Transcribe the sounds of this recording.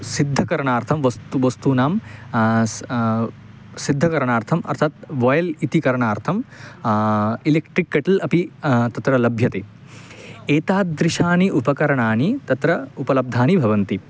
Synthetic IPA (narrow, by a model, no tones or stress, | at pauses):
sid̪ʱːɐkɐɾɐɳaːɾt̪ʰɐmʋɐst̪uʋɐst̪unaːm | sid̪ʱːɐkɐɾɐɳaːɾt̪ʰɐmɐ̰ɾt̪ʰat̪ʋoːjɐlit̪ikɐɾɐɳaːɾt̪ʰɐm | ileːkʈɾikːɐʈɐlɐpit̪ɐt̪ɾɐlɐbʱjɐt̪eː | eːt̪aːd̪ɾiʃaːniʔupɐkɐɾɐɳaːnit̪ɐt̪ɾɐupɐlɐb̚d̪ʱaːnibʱɐʋɐnt̪i